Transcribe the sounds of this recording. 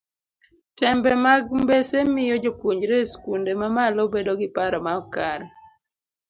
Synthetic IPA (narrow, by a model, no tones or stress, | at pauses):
tɛmbɛmaɡmbesemɪjɔd͡ʒopwuɲd͡ʒɾeskundemamalɔbedoɡɪpaɾɔmaɔkaɾ